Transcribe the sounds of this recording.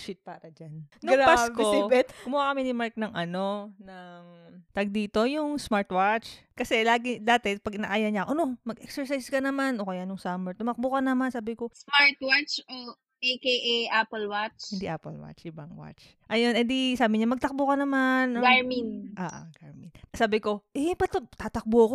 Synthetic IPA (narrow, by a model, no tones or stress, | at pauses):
ʃit̪̚paːɾɐd͡ʒannʊŋpaskobɛt̪kʊmʊwakɐmɛnɪmaɹk̚nɐŋʔɐno̞nɐŋt̪ɐɡ̚d̪iːt̪o̞jʊŋsmaɹt̪wat͡ʃkɐsɛlaːɡɪd̪aːt̪ɛpɐɡʔɪna̰ʔaːjɐɲaʔoʔɐno̞mɐɡʔɛ̰ksɛɹsajskɐnɐmanʔokɐjanʊŋsaːmɛɹt̪ʊmɐk̚bʊkɐnɐmansaːbɪko̞smaɹt̪wat͡ʃo | ʔɛkeʔɛʔapɐlwat͡ʃɪnd̪iʔaːpɐlwa̰t͡ʃʔɪbɐŋwa̰t͡ʃ | ʔɐjonɛnd̪isaːbɪɲamɐɡ̚t̪ɐk̚bokɐnɐmanʔoɡaɹminʔaːʔaɡaɹminsaːbɪko̞ʔɛpɐt̪ot̪aːt̪ɐk̚boɐko